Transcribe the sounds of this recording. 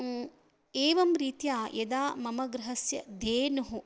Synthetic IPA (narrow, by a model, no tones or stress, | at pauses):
eːʋɐmɾiːt̪jaːjɐd̪aːmɐmɐɡɾɐɦɐsjɐd̪eːnɐɦu